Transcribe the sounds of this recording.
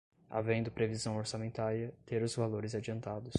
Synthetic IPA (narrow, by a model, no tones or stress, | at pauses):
a̰vẽnd̪ʊpɾevizɐ̃w̃oɾsamẽnt̪aɾjɐt̪eɾʊzvaloɾɪzad͡ʒiɐ̃nt̪ad̪ʊs